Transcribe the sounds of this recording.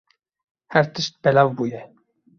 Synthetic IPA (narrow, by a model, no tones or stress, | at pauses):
hæɾt̪əʃt̪̚bɛlɑvbuːjɛ